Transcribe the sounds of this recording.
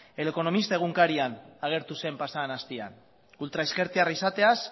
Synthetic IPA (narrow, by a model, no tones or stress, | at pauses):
e̞leko̞no̞mist̪ae̞ɣuŋkaɾianaɣ̞e̞ɾt̪use̞mpasanast̪ia̰n | ult̪ɾaeske̞ɾt̪iarisat̪e̞as